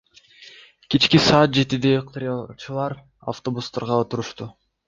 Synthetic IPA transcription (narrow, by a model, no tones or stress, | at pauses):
kit͡ʃkisɑːt̪̚d͡ʒe̞t̪id̪eqt̪ɾʲɑt͡ʃɯlˠɑɾ | a̰ft̪o̞bust̪ɑɾʁɑot̪uɾuʃt̪u